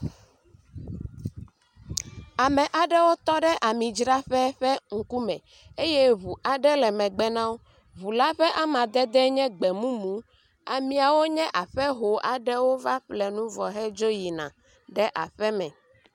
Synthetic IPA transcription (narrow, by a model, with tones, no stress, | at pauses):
a˨mɛ̃˨ʔa˨ɖɛ˦wo˦t̪ɔ˦ɖɛ˦ʔa˨mĩ˨d͡ʒɾa˦ɸɛ˦ɸɛ˦ŋ̩˨ku˦mɛ̰̃˨ | e˦jɛ˦βu˨ʔa˨ɖɛ˦lɛ˨mɛ̃˨ɡ͡bɛ˦nã˦wo˦ | βu˨la˦ɸɛ˦ʔa˦mã˨d̪ɛ˦d̪ɛ˦ɲɛ̃˦ɡ͡bɛ˨mũ˦mũ˦ | a˨mĩ˨˦a˨wo˦ɲɛ̃˦ʔa˨ɸɛ˦ɦo˨ʔa˨ɖɛ˦wo˦va˦ɸlɛ˨nũ˦vɔ˨ɦɛ˦d͡ʒo˦ji˨nã̰˨ | ɖɛ˦ʔa̰˨ɸɛ˦mɛ̰̃˨